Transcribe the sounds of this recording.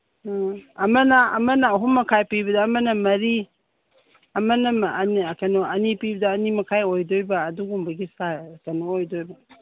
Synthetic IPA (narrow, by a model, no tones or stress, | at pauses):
ɐmɐnɐɐ̰mɐnɐɐɦumːɐkʰajpiβɐdɐːmɐnɐmɐɾi | ɐmɐnɐnkɐnoɐnipibɐdɐːnimɐkʰajojdojbɐːduɡumbɐɡisakɐnoojdojbɐ